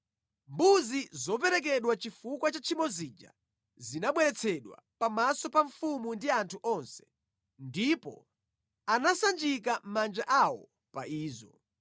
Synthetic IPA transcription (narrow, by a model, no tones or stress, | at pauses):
mbuzizɔp̬ɛɾɛk̬ɛɗwat͡ʃifukwat͡ʃat͡ʃʰimɔzid͡ʒa̰ | zinaɓwɛɾɛt͡sʰɛɗwa̰pamasɔpaɱfumundiantʰuʔɔnsɛ̥ | ndipɔ̰ | anasand͡ʒik̬am̩mand͡ʒaʔawɔ | paiːzɔ